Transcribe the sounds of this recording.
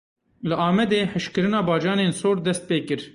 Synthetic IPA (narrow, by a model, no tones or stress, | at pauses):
lɨʔɑːmɛd̪eːħɨʃkɨɾɨnɑːbɑːd͡ʒɑːneːnsoːɾd̪ɛst̪̚peːkɨɾ